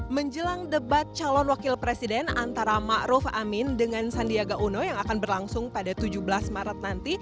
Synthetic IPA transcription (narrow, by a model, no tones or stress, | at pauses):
məɲd͡ʒəlaŋdəbat̪̚t͡ʃalɔnwakɪlpɾesidɛna̰nt̪aɾamaʔɾufamɪndəŋansandiaɡaʔunojaŋakanbərlaŋsʊŋpadat̪ud͡ʒubəlasmaɾat̪̚nant̪i